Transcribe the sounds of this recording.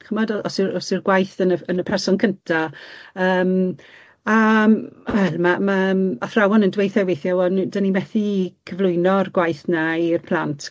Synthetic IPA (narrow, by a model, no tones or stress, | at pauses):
χəmɔdɔʔɔsɪɾɔsɪrɡwajθənəənəpʰɛrsɔnkʰəntʰaəːm | a | wɛlˠmamamaθrawɔnəndwejθɛwejθjɔwɔndanimɛθikʰəvlˠʊɨnɔrɡwajθnairpʰlˠantʰ